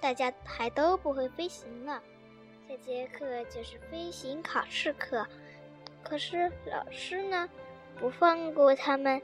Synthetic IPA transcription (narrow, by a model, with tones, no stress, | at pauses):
t̪a˥˩t͡ɕja˥xa˧˥ɪt̪o˥ʊpu˧˥xwe˥˩ɪfe˥ɪɕi˧˥ŋlə˧ | t͡ɕɛ˥˩t͡ɕjɛ˥kʰɤ˥˧t͡ɕjo˥˧ʊʂɻ̩˥˩fe˥ɪɕi˧˥ŋkʰɑ˨˩ʊʂɻ̩˥˧kʰɤ˥˩ | kʰɤ˨˩ʂɻ̩˥˩lɑ̰˨˩ʊʂɻ̩˥nə˨ | pu˧˥fɑ˥˧ŋkwɔ˥˩t̪ʰa˥mə˨n